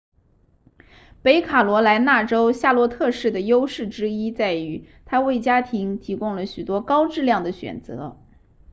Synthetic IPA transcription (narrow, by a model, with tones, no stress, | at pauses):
pe˧˥ɪkʰa˨˩lwɔ˧˥la˧˥ɪna˥˩ʈ͡ʂo˥ʊɕja˥˧lwɔ˥˧t̪ʰɤ˥˧ʂɻ̩˥˩d̪ə˩jo˥ʊʂɻ̩˥˩ʈ͡ʂɻ̩˥i˥t͡sa˥˩ɪy˧˥ | t̪ʰa˥we˥˩ɪt͡ɕja˥t̪ʰi˧˥ŋt̪ʰi˧˥kʊ˥ŋlə˨ɕy˨˩t̪wɔ˥kɑ˥ʊʈ͡ʂɻ̩˥˧ljɑ˥˩ŋd̪ə˩ɕɥɛ̰˨˩nt͡sɤ̰˧˥